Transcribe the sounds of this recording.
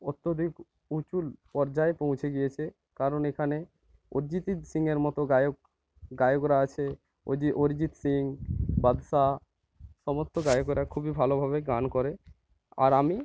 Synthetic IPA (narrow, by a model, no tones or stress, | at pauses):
ot̪ːod̪ʱik | ut͡ɕulpɔɾd͡ʑaepõw̃t͡ɕʰeɡijet͡ɕʰe | kaɾonekʰane | oɾd͡ʑit̪it̪siŋeɾmɔt̪oɡajok | ɡajokɾaat͡ɕʰe | o̰d̪iʔoɾd͡ʑit̪siŋbad̪ʃa | ʃɔmost̪oɡajokɾakʰubibʱalobʱabeɡankɔɾe | a̰ɾami